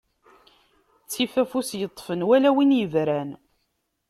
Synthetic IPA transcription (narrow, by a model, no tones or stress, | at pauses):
t͡sːifæfusjət̪ˤːfənwælæwinjəvɾæn